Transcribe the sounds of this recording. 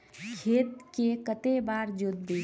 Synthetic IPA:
kʰeːt̪̚kekət̪ebaːɾd͡ʒʊd̪̚bi

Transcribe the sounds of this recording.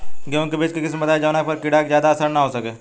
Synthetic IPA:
kjõːkibɪt͡ʃkekɪs̬imɐt̪aːed͡ʒaʋnak̚pɐɾkɪɽaːkzjaːd̪aɐsəɾnaɦoːsɐkeː

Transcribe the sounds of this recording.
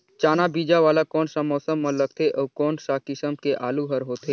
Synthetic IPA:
t͡ʃaːnabiːd͡ʒaʋaːlakɔːnsamɔːsəmːɐ̃ləɡ̚t̪ʰeʔɔkɔːnsakɪsəmkeʔaːluɦəɾɦoːt̪ɦeː

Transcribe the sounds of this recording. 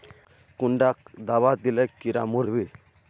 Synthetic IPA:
kuɳɖakd̪aʋad̪ilɛkːiɾa̰muɾʋi

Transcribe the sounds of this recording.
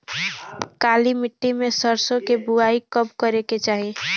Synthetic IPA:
kalimɪʈːimesəɾsõkebuaikəb̚kəɾeket͡ʃaːɦi

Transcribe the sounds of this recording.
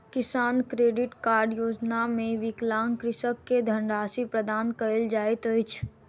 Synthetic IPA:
kɪsaːnkɾeːɖɪʈkaːɾɖjoːd͡ʒnamẽʋɪklaːnkɾɪʃəkːed̪ʱə̃ɳɖaːsipɾəd̪aːnkəld͡ʒaːet̪əjt͡ʃʰ

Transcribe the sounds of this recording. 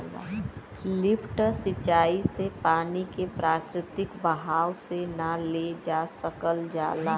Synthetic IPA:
lɪpʰʈsɪt͡ʃaːisepaːnikepɾaːkɾɪt̪ɪkbəɦaːwsenaled͡ʒaːsəkəld͡ʒaːla

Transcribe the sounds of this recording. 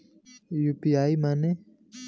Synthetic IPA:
juːpiaːimaːne

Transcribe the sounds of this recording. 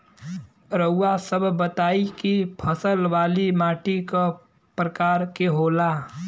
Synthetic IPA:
ɾəuːasəbʱbət̪aːikipʰəsəlʋaːlimaːʈikə | pɾəkaːɾkeɦola

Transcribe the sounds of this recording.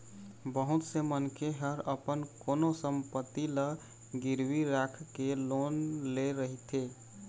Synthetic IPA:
bəɦut̪semənkʰeɦəɾəpənkonosəmpət̪ːilə | ɡiɾwiɾakʰkelonleɾəɦit̪ʰe

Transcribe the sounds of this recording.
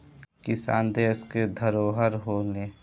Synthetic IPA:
kɪsa̰ːnd̪eːsked̪ʱəɾoːɦəɾɦoːne

